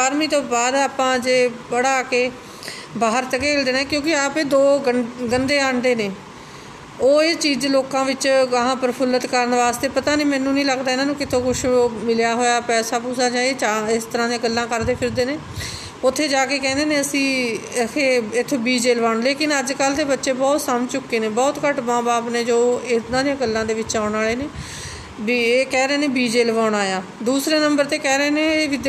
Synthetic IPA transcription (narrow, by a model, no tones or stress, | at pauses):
aːɾmiːt̪õːbaːd̪aːpãːd͡ʒeːbəɽaːkeː | baːɦəɾt̪əkeːld̪eːnẽːkjõːkɪaːpeːd̪oːəɡənd̪eːaːɳɖeːneː | oːet͡ʃiːd͡ʒeloːkãːʋɪt͡ʃəɦãːpəɾpʰʊlːət̪kəɾnʋaːst̪eːpət̪aːniːmɛ̃ːnːũːnĩːləɡd̪aːɪnaːnũːkɪt̪ʰõːkʊʃmɪljaːɦoːjaːpɛːsaːpuːsaːd͡ʒãːet͡ʃaɪst̪əɾãːd̪ĩjãːɡəlːãːkəɾd̪eːpʰɪɾd̪eːneː | ʊt̪ʰːeːd͡ʒaːkeːkɛ̃ːnd̪eːnẽːəsĩːkʰeːɪt̪ʰːbiːd͡ʒeːləʋaːɳleːkɪnəd͡ʒkəld̪eːbətːʃeːbɔːt̪səmt͡ʃʊkːeːnẽːbɔːt̪kəʈmãːbaːpneːd͡ʒoːɪt̪nãːd̪ijãːɡəlːãːd̪eːʋɪt͡ʃːãːɳaːɭeːneː | beːkɛːɾəeːneːbiːd͡ʒeːləʋaːʊɳaːjãː | d̪uːsɾeːnəmbəɾt̪eːkɛːɾəeːneːeːʋɪd̪